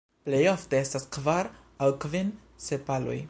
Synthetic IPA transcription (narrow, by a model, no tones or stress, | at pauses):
plejofteestaskvaɾ | awkvin | sepalo̰j